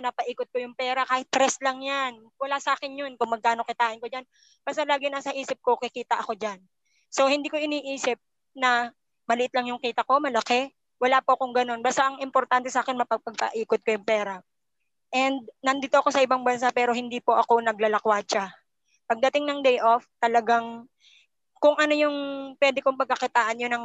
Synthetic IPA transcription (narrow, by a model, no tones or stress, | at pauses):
nɐpɐʔiːkot̪̚kojʊŋpɛːɾɐkaːhɪt̪̚ːɾɛslɐŋjan | wɐlasɐʔaːkɪnjonkʊŋmɐɡ̚kaːno̞kɪt̪aːʔɪnkod͡ʒan | b̥aːst̪ɐlaːɡɪnɐsɐʔiːsɪp̚kokɪkiːt̪ɐʔɐko̞d͡ʒan | so̞hɪnd̪iːko̞ʔɪniːʔiːsɪp̚ | nɐ | mɐlɪʔɪt̪lɐŋjʊŋkiːt̪ɐko̞mɐlɐkɛ | wɐlaːpoʔɐkoŋɡɐno̞nbaːst̪aʔɐŋʔɪmpoɾt̪ant̪ɛsaːkɛnmɐpɐɡ̚pɐɡ̚pɐ̰ʔiːkot̪̚kojʊŋpɛːɾɐ | ʔɛnd̪̚nɐnd̪it̪oʔɐko̞sɐʔɪbaŋbɐns̬apɛːɾo̞hɪnd̪iːpoʔɐko̞nɐɡlɐlɐkwat͡ʃa | pɐɡ̚d̪ɐt̪ɪŋnɐŋd̪ɛjʔoft̪ɐlɐɡaŋ | kʊŋʔɐno̞jʊŋpwɛd̪ɪkoŋpɐɡ̚kɐkɪt̪aːʔɐnjonɐŋ